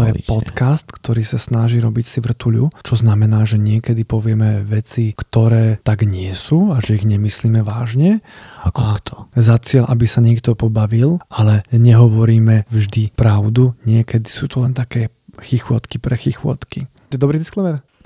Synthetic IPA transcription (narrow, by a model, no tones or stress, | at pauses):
jɛpɔkast̪kt̪ɔɾiːsasnaʒiːɾɔbicsiʋr̩t̪uʎut͡ʃɔznamɛnaːʒɛɲɪɛkɛd̪ipɔʋɪɛmɛʋɛt͡sikt̪ɔɾɛːt̪aɡɲɪɛsuːaʒɛiɣɲɛmisliːmɛʋaːʒɲɛʔakt̪ɔzat͡sɪɛlʔabisaɲɪɛkt̪ɔpɔbaʋilʔalɛɲɛɦɔʋɔɾiːmɛvʒd̪ipɾaʊd̪uɲɪɛkɛd̪isuːt̪ɔlɛnt̪akɛː | xixʊɔt̪kipɾɛxixʊɔ̰t̪kiɔɛd̪ɔbɾiːd̪isklɛʋɛɾ